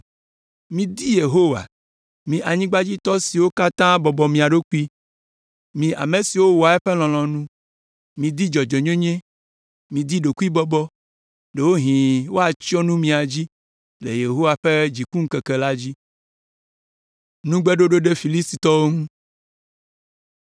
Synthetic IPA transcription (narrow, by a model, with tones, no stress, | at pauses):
mĩ˨d̪i˦je˨ɦo˦wa̰˨ | mĩ˨ʔa˨ɲĩ˦ɡ͡ba˦d͡ʑi˦t̪ɔ˦si˨wo˦ka˦t̪ã˦bɔ˨bɔ˨mĩ˨a˨ɖo˦ku˦i˦ | mĩ˨ʔa̰˨me˨si˨wo˦wɔ˨a˨ɛ˦ɸe˦l̃ɔ̃˨l̃ɔ̃˨nũ˦ | mĩ˨d̪i˦d͡ʒɔ˨d͡ʒɔ˨ɲẽ˦ɲẽ˦ | mĩ˨d̪i˦ɖo˨ku˦i˦bɔ˦bɔ˦ | ɖe˨wo˦ɦĩ˨wo˦a˨t͡ʃi˦ɔ˦nũ˦mĩ˨a˨d͡ʑi˦ | lḛ˨je˨ɦo˦wa˨ɸe˦d͡ʑi˨ku˦ŋ̩˦ke˨ke˨la˦d͡ʑi˦ | nũ˦ɡ͡be˦ɖo˦ɖo˦ɖe˦fi˨li˦st̪i˨t̪ɔ˦wo˦ŋũ˦